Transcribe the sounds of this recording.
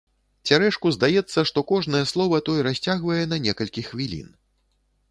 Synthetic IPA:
t͡sʲaɾɛʂkuzd̪ajɛt̪sːɐʂt̪ɔkɔʐnɐjɛslˠɔvɐt̪ɔjɛɾasʲt͡sʲaɣvɐjɛnɐnʲɛkɐlʲkʲixvʲilʲḭn

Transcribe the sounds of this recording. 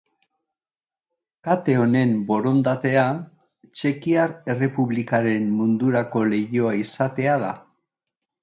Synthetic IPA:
kat̪e̞o̞ne̞mbo̞ɾo̞nd̪at̪e̞a | t͡ʃe̞kiaɾere̞puβlikaɾe̞mːund̪uɾako̞le̞jo̞aisat̪e̞aða

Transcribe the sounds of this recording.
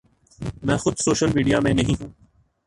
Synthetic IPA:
mɛ̃ːxʊd̪soːʃəlmiːɖijamẽnɐɦĩːɦũː

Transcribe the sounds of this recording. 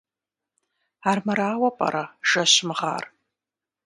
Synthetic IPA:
aːrmɐɾaːwɐpʼɐ̰ɾɐʒ̥ɐɕmʁa̰ːr

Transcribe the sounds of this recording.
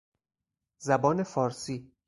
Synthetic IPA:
zæbɒːnefɒːɾsiː

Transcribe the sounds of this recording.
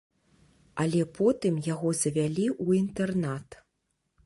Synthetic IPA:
ɐlʲɛpʰɔt̪ɨmjaɣɔzɐvʲalʲiʔuint̪ɛrnat̪

